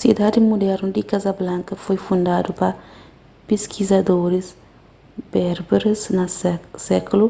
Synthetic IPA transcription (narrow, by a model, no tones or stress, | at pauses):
sid̪ad̪imud̪ɛɾnud̪ikazɐblãŋkɐfojfũnd̪ad̪upɐ | peskʰizɐd̪oɾis | bɛɾbeɾesnɐsɛkulu